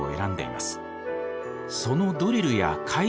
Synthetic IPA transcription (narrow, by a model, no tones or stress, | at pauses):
o̰e̞̰ɾãnd̪e̞̰ḭmasɨ̥ | so̞no̞d̪o̞ɾʲiɾɯ̟ja̰kʰai